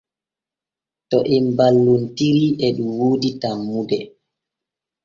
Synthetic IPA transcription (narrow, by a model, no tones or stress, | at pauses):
tɔʔɛmbalːuntiɾiɛɗumwoːditamːudɛ